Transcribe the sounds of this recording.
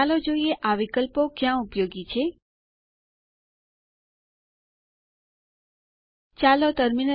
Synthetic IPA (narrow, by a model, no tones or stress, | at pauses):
lod͡ʒoieʔaʋikəlpokjãupjoɡit͡ʃʰe | t͡ʃalot̪əɾmin